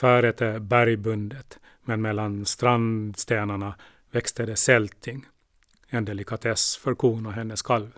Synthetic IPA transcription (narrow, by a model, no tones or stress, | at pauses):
fæːɾɛt̪ʰəbæɾjbɵnd̪ət̪ | mɛnmɛlːanst̪ɾand̪st̪eːnaɳa | vɛkst̪əd̪ɛsɛlt̪ʰɪŋ | ɛnd̪ɛlɪkat̪ʰɛsfœɾkʰuːnɔɦɛnːəskʰalv